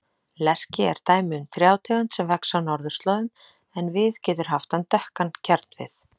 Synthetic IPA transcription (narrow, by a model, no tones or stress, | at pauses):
lɛr̥cɪɛɾ̥t̪aːjmɪʏmt̪ɾjaːwt̪ʰɛɣant̪sɛmvɛksawnɔɾðʏst̪lɔːðʏm | ɛnvɪðcɛːt̪ʏɾ̥ɦaft̪ant̪œhkancʰɛɾt̪nvɪ̰θ